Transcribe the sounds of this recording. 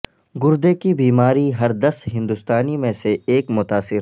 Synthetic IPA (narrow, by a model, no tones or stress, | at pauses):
ɡʊɾd̪ekibiːmaːɾiɦɐɾd̪ɐsɦɪ̃nd̪ʊst̪aːnimẽseeːkmʊt̪aːsɪɾ